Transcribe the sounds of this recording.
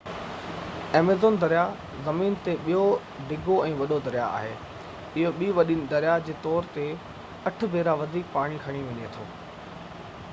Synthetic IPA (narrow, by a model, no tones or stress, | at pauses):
eːmezoːnd̪ɐɾija | zɐmiːnt̪eɓijo | ɖɪɡʱoɛ̃ːʋɐɗod̪ɐɾɪja̰a̰ːɦeː | ɪɦoɓiːʋɐɗinɪ̆d̪ɐɾjad͡ʑeːt̪ɔːɾt̪e | ɐʈ̆ʰbʱeːɾaʋɐd̪ʱiːkpaːɽ̃ikʰɐɽ̃iʋɐɲet̪ʰo̰ː